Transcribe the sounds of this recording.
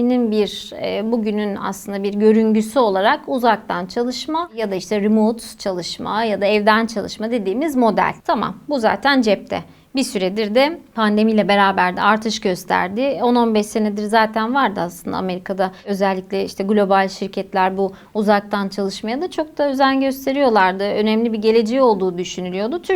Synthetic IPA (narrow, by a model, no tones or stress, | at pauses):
ininbiɾɛːbuɟynyna̰slˠɯnd̪abiɾɟø̞ɾynɟysyo̞lˠaɾakuzak̚t̪ʰant͡ʃʰalˠɯʃmajad̪aiʃt̪ʰɛɾimot̪t͡ʃʰalˠɯʃma̰jad̪aɛvd̪ænt͡ʃʰalˠɯ̰ʃmad̪e̞d̪iːmizmo̞d̪æ̰lʲt̪ʰama̰mbuza̰ːt̪ʰænd͡ʒɛp̚t̪ʰɛ̰ | bisyɾed̪iɾd̪ɛpʰand̪e̞mijlʲɛbe̞ɾaːbæɾd̪ɛaɾt̪ʰɯʃɟø̞st̪ʰæ̰ɾd̪ɪo̞no̞nbɛʃse̞ned̪iɾzaːt̪ʰænvaɾd̪ɯaslˠɯnd̪a̰ːme̞ɾikʰad̪aø̞zælʲːicʲlʲɛiʃt̪ʰɛɡlʲo̞balʲʃiɾcʰɛt̪lʲæɾbuː | zak̚t̪ʰant͡ʃʰalˠɯʃmajad̪at͡ʃʰo̞k̚t̪aø̞zænɟø̞st̪ʰe̞ɾijo̞lˠaɾd̪ɯø̞nɛmlʲibiɟe̞lʲe̞d͡ʒɛjo̞lˠd̪uːd̪yʃynylʲijo̞d̪ut̪ʰyɾ